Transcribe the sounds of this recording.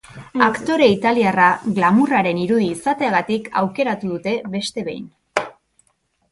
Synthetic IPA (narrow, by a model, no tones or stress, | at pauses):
akt̪o̞ɾe̞it̪aliaraɣlamuraɾe̞niɾuð̞iːsat̪e̞aɣat̪ika̰wke̞ɾat̪uðut̪e̞βe̞st̪e̞βe̞̰jn